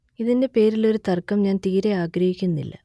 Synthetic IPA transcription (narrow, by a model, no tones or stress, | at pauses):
iðinde̞pe̞ːɾilo̞ɾut̪ɐrkɐmɲaːnt̪iːɾeaːɡɾɐhikʲːunːḭlːɐ̰